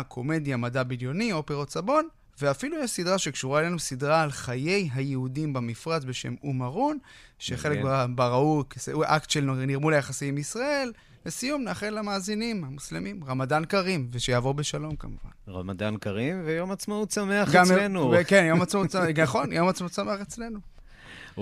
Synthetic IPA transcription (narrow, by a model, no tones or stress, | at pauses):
kʰo̞me̞d̪jamadabiljo̞nio̞peʁotsabo̞n | ve̞afilujeʃsidʁaʃekʃuʁaelenusidʁaːlχaje̞jɦajeudimbamifʁat͡sbe̞ʃe̞̰mumaʁunʃeχe̞lekbaʁaujkseʔuʔaktʃelnoniʁmulejaχasiimisʁae̞lː | esijumnaːχelːamaːzinimhamuslemimʁamadankaʁimveʃejaːvo̞ʁbe̞ʃalo̞mkamuva̰nʁa̰mad̪ankaʁimvejomat͡smautsameaχɡamenukenjo̞mat͡sausnaχo̞njo̞mat͡smausame̞aχet͡slenu